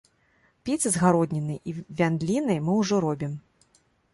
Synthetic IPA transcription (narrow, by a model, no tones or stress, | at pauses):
pʲit̪sɨzɣaɾɔd̪ʲnʲinɨjʔivʲand̪lʲinɐjmɨwʐɔɾɔbʲim